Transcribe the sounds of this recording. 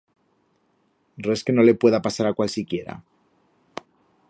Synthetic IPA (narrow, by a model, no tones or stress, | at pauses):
re̞ske̞no̞le̞pwe̞ðapasaɾakwalsikje̞ɾa̰